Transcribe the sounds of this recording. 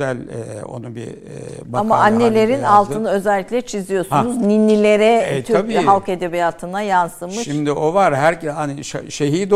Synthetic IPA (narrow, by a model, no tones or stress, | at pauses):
ælʲɛo̞̰nubḭ | baamaʔanːelʲe̞ɾinalˠt̪ʰɯnɯø̞zɛlʲːiclʲɛt͡ʃʰizijo̞sunuzninːilʲe̞ɾɛt̪ʰyayɦalˠked̪ebijaːt̪ʰɯnajansɯmʃɯʃimd̪iʔovaɾɦæɾcɛaniʃaʃeɦiːd̪